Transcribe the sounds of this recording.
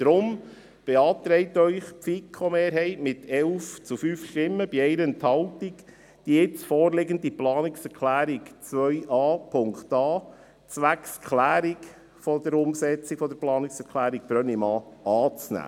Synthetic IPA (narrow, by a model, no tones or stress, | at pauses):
d̪̥ɾʊm | b̥ɛɑːt̪ɾɛɪt̪œʏχpfikʰomeːɾɦɛɪtmɪt̪ɛlft͡sufyːfʃtɪmːəb̥iɛɪɾəənt̪hɑltik | d̥iɪt͡sfɔːɾlɪɡəndiplɑːnɪksɛɾkʰlæːɾikt͡sʋœɥʔɑːpʰʊŋkt̪ɑː | t͡sʋækskʰlæːɾik | fɔd̪əɾʊmsɛt͡sikfɔd̪əɾplɑːnɪksɛɾkʰlæːɾik̚b̥ɾœnimɑːɑːt͡snæ̰ː